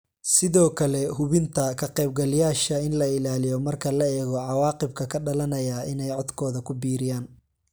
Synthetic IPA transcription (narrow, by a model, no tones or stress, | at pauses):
sɪðɔːkʰɐlɛɦʊβɪnt̪ʰɐkʰɐqɛjb̚ɡɐljaːʃɐɪnlɐɪlaːlɪjɔmɐrkʰɐlɐɛːɣɔʕɑwɑːqɪb̚kʰɐkʰɐɖɐlɐnɐjaɪnɛjʕɔd̪kʰɔːðɐkʰʊbiːɾɪjaːn